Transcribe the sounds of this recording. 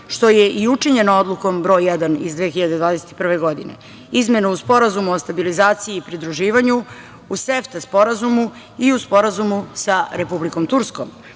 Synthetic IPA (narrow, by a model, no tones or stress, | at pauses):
ʃt̪ojeʔiut͡ʂiɲenood̪lˠukombɾo̞ːjːɛd̪anḭzd̪ʋeːxiʎad̪e̞d̪ʋaːd̪e̞set̪i̥pr̩ʋeɡo̞d̪inḛ | izme̞nuuspo̞ɾazumuost̪abilizaːt̪siiːpɾid̪ɾuʒiːʋaɲu | useft̪aspo̞ɾazumu | iuspo̞ɾazumusaɾepubliko̞mt̪uɾskoːm